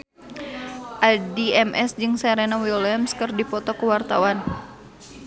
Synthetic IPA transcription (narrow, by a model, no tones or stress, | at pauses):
ʔadiɛmʔɛsd͡ʒɨŋsɛɾɛnawiɔlamskərdipɔt̪ɔkuwart̪awan